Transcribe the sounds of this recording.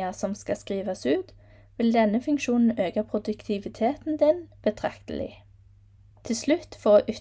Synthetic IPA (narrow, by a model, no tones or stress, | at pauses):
əsɔmskɑskʁiːʋɑsʉːt̪ | ʋɪld̪ɛnəfʉŋkʃuːnn̩øːɡɑpʰʁʊd̪ʉkt̪ʰɪʋɪt̪ʰeːt̪n̩d̪ɪnb̥ət̪ʰʁɑ̰kt̪ə̰lɪ̰ | t̪ʰɪlslʉt̪fɔʁoːʔʏ